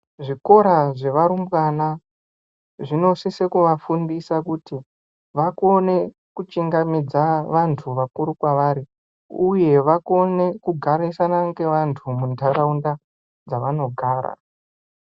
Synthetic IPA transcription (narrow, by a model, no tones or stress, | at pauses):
ʐiko̞ɾaʐe̞ʋaɾumbwana | ʐino̞sisekuʋafundisakuti | ʋako̞ne̞ | kut͡ʃiŋɡamid͡zaʋantʰuʋakuɾukwaʋaɾi | uje̞ʋako̞ne̞kuɡʱaɾisanaŋɡe̞ʋantʰumundʰʱaɾaunda | d͡zaʋano̞ɡʱaːɾa̰